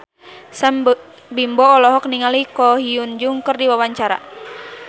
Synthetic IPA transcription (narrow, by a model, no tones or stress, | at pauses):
səm | bimbɔːlɔɦɔk̚niŋalikɔɦiund͡ʒuŋkərdiwawaɲt͡ʃaɾa̰